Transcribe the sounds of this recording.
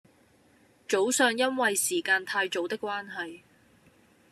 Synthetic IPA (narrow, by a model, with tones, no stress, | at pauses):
t͡ʃo˨˥wsœː˨˧ŋjɐ˥nwɐ˨jsiː˨˩kaː˧nt̪ʰaː˧jt͡so˨˥wt̪ɪ˥kːʷwaː˥nɦɐ˨j